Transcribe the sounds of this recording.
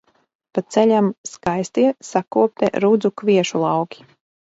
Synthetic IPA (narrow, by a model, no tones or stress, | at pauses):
patt̪sɛʎʲamskajst̪iɛsakuɔp̚t̪ɛɾud̪zukviɛʃulˠɑwkʲi̥